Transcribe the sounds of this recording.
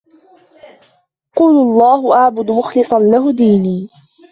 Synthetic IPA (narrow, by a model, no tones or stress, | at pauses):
quːlʊɑlˤːɑːhʊʔaʕbʊd̪mʊxlɨsˤɑnlaɦʊd̪iːniː